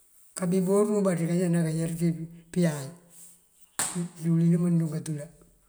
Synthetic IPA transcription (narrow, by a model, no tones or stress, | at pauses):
kabiboɾmubaɾikaɲanakajɛɾtipɪjaj | ulinimanduŋɡatula